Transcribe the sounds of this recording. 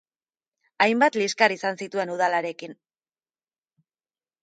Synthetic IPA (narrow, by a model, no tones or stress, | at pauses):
ajmbat̪liskaɾisansit̪ue̞nuð̞alaɾe̞kin